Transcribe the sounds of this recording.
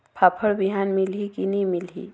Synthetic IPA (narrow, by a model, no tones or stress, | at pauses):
pʰapʰəɽbiɦaːnmilɦikinimilɦḭ